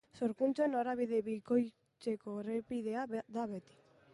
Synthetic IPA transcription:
so̞ɾkunt͡soenoɾaβiðeβiko̞j | t͡se̞ko̞repiðe̞aðaβe̞t̪i̥

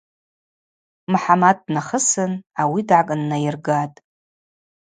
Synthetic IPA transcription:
mħamad̚naχəsɨnawidʕakʼnːajɪrɡatʼ

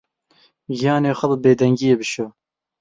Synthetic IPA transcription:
ɡijɑːneːxɐbɨbeːd̪ɛŋɡijeːbɨʃoː

